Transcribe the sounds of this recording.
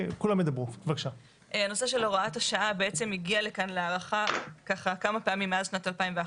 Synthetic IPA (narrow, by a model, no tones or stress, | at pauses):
kulamjed̪abʁuvakʃa | ʔano̞seʃe̞loʁaathaʃaʔabeet͡se̞miɡiale̞kanleaʁaχakaχakamapeamimːeazʃnatalpaimvea